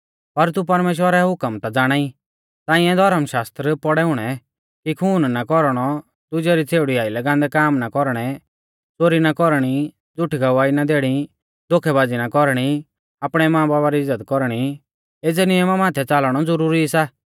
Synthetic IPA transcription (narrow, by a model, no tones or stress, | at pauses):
pɐɾt̪up̬ɐɾmeːʃ̬wəɾɛɦʊkəmt̪ad͡zaːɽ̃aːi | t̪ãːĩɛ̃d̪ʱɐɾəmʃaːst̪ɾəpɔɽɛʊɽ̃ɛ | kikʰuːnnakɔɾɽ̃ɔ | t̪ʊd͡ʒɛɾit͡sʰeːʊɽiaːilɐɡãːnd̪ɛkaːmnakɔɾɽ̃ɛ | t͡soːɾinakɔɾɽ̃i | d͡zʊʈʰiɡɐʋaːinad̪eːɽ̃i | d̪okʰɛbaːd͡zinakɔɾɽ̃i | aːpɽ̃ɛmãːbaːbaɾiɪzːət̪kɔɾɽ̃i | eːd͡zɛnɪjəmamaːt̪ʰɛt͡saːlɽ̃ɔd͡zʊɾuːɾisaː